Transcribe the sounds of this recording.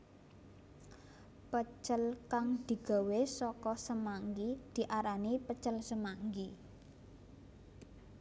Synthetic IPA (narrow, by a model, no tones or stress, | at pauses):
pət͡ʃəlkaŋd̪̥i̤ɡ̥a̤wesɔkɔsəmaŋɡid̪̥i̤ʔaɾanipət͡ʃəlsəmaŋɡi